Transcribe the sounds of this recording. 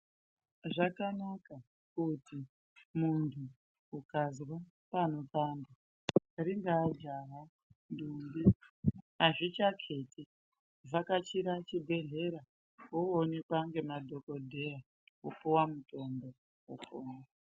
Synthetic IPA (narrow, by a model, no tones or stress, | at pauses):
ʐakanaka | kuti | muntʰuː | kazwa | pano̞paːnda | ɾiŋɡaːd͡ʒaɦa | ndumbi | aʐit͡ʃakʰe̞ti | vakat͡ʃiɾat͡ʃibʱe̞ɮe̞ɾa | oonekwaŋɡe̞madʱo̞ko̞dʱe̞ja | upuwamuto̞mbo̞ | ukoːna